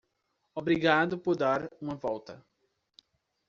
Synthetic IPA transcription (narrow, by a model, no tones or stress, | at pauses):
obɾiɡad̪ʊpoɾd̪aɾũmɐvɔwt̪ɐ